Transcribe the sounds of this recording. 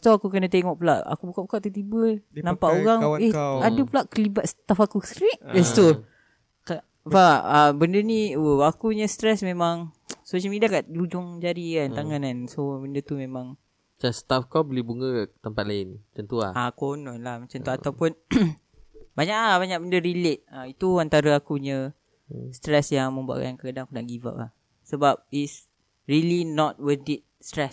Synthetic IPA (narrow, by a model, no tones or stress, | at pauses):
t̪uakukənãt̪eŋɔʔpulaʔa̰kubukaʔpukaʔt̪ut̪ibəlnampaʔoɣaŋehadəpulaʔkəlibat̪̚sə̥t̪afakusɾiʔbɛst̪u | k | paəbəndəniwəakuɲəst̪ɾɛsmemaŋsoʃ̬əlmidakaʔdud͡ʒʊŋd͡ʒaɾikant̪aŋanansobəndət̪umemãŋ | t͡ʃast̪afkawbəlihbuŋə̃t̪əmpat̪̚laɪnat͡ʃant̪ua̰akonɔnlahmat͡ʃãnt̪uat̪awpʊn | baɲaʔabaɲak̚bəndəɾilet̪̚ait̪uant̪aɾaakuɲə̃ | st̪ɾɛsjaŋmə̃mbua̰ʔka̰nkəkadaŋakunaʔɡiva̰ʔlah | səbap̚is | ɹilinɔt̪̚wəd̪it̪̚st̪ɾɛs